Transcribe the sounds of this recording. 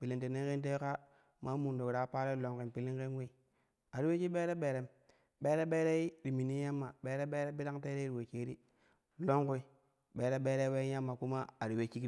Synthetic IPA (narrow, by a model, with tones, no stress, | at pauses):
pi˨li˦nte˨ne˦ŋke˦t̬e˦ka˦ | ma˦mu˨n˨do˨wu˨ɾa˨˦pa˦ɾe˦lo˨ŋki˨npi˨li˦ŋke˦nwe˦i˨ | a˨ɾi˦we˦t͡ʃi˦be˦ɾe˦be˨ɾe˦m | be˦ɾe˦be˦ɾe˦ɾi˨mi˨ni˦ja˦mːa˨be˦ɾe˦be˦ɾe˦bi˦ɾa˦ŋte˦ɾe˦i˦ɾi˨we˨t͡ʃe˦ɾi˦ | lo˦ŋku˦i˦ | be˦ɾe˦be˦ɾe˦we˦ja˦mːa˨ku˦ma˦a˨ɾi˨we˦t͡ʃi˦k